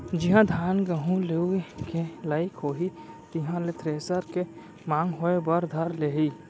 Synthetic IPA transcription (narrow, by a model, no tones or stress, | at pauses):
d͡ʒɪɦãd̪ʱaːnɡəɦũleikʰelaːɪkɦoːɦi | t̪ɪɦãlet̪ɾeːsəɾke | mãːŋɡɦoːebɐɾd̪ʱəɾleːɦiː